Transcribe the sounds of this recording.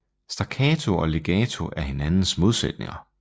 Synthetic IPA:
sd̥ɑ̈kʰɛːt͡sʰo̝ɒ̽le̝ɡ̥ɛːt͡sʰo̝ʔæɐhe̝nænn̩smo̝ð̞ˠsed̥ne̝̰ŋɐ

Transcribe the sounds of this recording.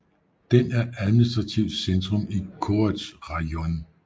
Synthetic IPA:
d̥enæɐæðˠminisd̥ʁɑ̈t͡sʰiʊ̰d̥send̥ʁɔmikʰoɐd̥sʁɑon

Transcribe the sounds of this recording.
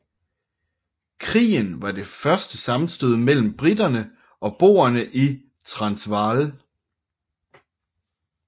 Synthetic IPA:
kʰʁḭːnʋɑ̈d̥e̝fɶɐsd̥əsɑ̈mn̩sd̥øð̞ˠmel̰m̩b̥ʁidɐnə | ʔɒ̽b̥o̝̰ːɐnəʔi | t͡sʰʁɑ̈nsʋɑːl

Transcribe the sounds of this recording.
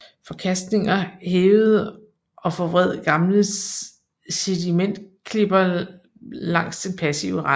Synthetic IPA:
fɒ̽kʰæsd̥ne̝ŋɐheːʊð̩ˠ | ʔɒ̽fɒ̽ʋʁɛð̞̰ˠɡ̥ɑ̈mləs | sed̥imen̰d̥kʰle̝b̥ɐ | lɑ̈ŋ̰sd̥enpʰæsḭʊəʁɑ̈

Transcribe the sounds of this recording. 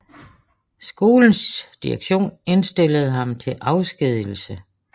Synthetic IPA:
sɡ̥o̝ːln̩sd̥iɐɡ̥ɕo̝̰ːne̝nsd̥e̝ləð̞̩ˠɦɑ̈mt͡sʰe̝lʔɑ̈ʊsɡ̥ið̰ˠl̩sə

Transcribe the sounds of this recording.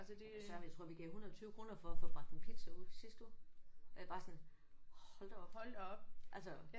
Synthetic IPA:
æsəd̥esɶɐmjaɪt͡sʰʁoɐ̰ʋiɡ̥ɛhunɐɒt͡sʰyːʊəkʰʁo̝nɐfɒ̽æfo̽mɑ̥̈inpʰid̥səusisd̥uelb̥ɑ̈ːsɒ̽n | hɒ̽ld̥ɐɒb̥lb̥ʔælsə

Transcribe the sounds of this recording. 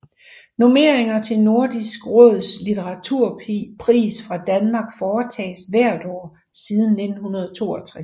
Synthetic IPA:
no̝me̝̰ɐeŋɐt͡sʰe̝lno̝ɐd̥isɡ̥ʁɔðˠslit͡sʰeʁɑ̈t͡sʰuɐ̰pʰʁḭːsfʁɑ̈d̥ænmɑ̈ːɡ̥fɒːt͡sʰɛ̰ːsʋæɐ̰d̥ɒ̰ː | siːð̞ˠn̩ːe̝d̥n̩hunɐð̞ˠt͡sʰo̝̰ːɒt͡sʰʁas

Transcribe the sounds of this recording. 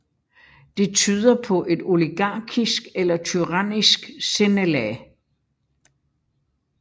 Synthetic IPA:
d̥e̝t͡sʰyːð̞ˠɐpʰɒ̽ʔe̝d̥o̝liɡ̥ɑ̰̈ːɡ̥ʰisɡ̥elɐt͡sʰyʁɑnisɡ̥senelɛ

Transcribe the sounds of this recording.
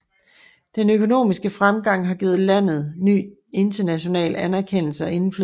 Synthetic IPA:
d̥enøkʰo̝no̝̰ːmisɡ̥əfʁamɡ̥ɑ̈ŋ̰ɦɑ̈ɡ̥iːð̩ˠlæn̰ð̞̩ˠny̰ː | e̝nd̥ɐnæɕo̝nɛ̰ːlænæɐkʰen̰l̩səɒ̽e̝nfly

